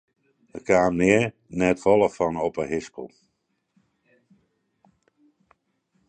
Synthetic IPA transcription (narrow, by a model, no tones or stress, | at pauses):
əkʰaːmɪə | nɛtfɔlˠəfɔnɔpəɦɪskəl̩ˠ